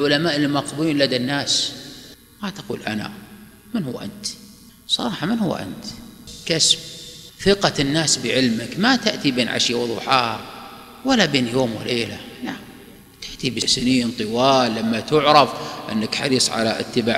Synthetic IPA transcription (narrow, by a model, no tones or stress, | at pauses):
lʕʊlamaːʔɪlmaqbuiːnlad̪anːaːs | mat̪ḁqṵːlʔa̰na̰ | mɪnhʊwːʔa̰nt̪ | sˤɑɾˤɑːħɑmɪnhʊ̰wːʔa̰nt̪kasb̚θɪqɑnːaːsbɪʕɪlmɪkmat̪aʔt̪ibeːnʕa̰ʃjawʊðˤṵːħaː | walːabeːnjoːmwɪ̰leːlalaʕm | t̪aʔt̪ibɪsɪniːnt̪ˤɨwɑːlːamːat̪ʊʕɾˤɑfʔɪ̰nːakħɑ̰ɾiːsˤʕa̰la̰ʔɪ̰t̪ːɪbaːʕ